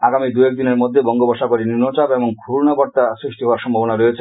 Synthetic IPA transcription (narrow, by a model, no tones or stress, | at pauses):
aɡamid̪uɛk̚d̪ineɾmod̪ʱːebɔŋɡobɔʃakoɾininot͡ɕabeboŋkʰuɾnabɔɾt̪asɾiʃʈiɦɔaɾʃɔmbʱabonaɾojet͡ɕʰe